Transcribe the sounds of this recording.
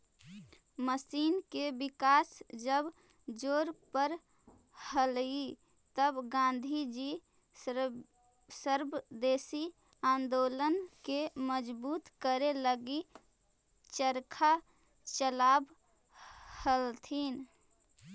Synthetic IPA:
məsiːnkebikaːsd͡ʒəb | d͡ʒoːɾpəɾ | həli | t̪əbɡãnd̪ʱid͡ʒi | səɾbd̪eːsi | ãnd̪olənkeməd͡ʒbuːt̪kəɾeləɡi | t͡ʃəɾkʰa | t͡ʃəlab | həlt̪ʰin

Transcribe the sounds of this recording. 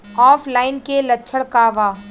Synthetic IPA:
ɔːfʰlaːɪnkelɐtːʃʰəɽkaʋaː

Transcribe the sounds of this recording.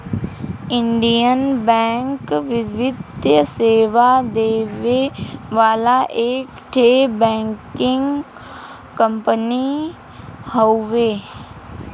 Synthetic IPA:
ɪ̃ɳɖijənbɛ̃ːŋkʋɪʋɪd̪jəseːʋad̪eːʋeʋaːlaʔeːkʈʰeːbɛ̃ːŋkɪ̃ŋɡ | kə̃mpəni | hoʋeː

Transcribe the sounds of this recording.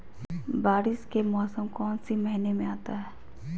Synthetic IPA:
baːɾɪskemɔːsəmkɔːnsimɛɦnemẽaːt̪aɦɛː

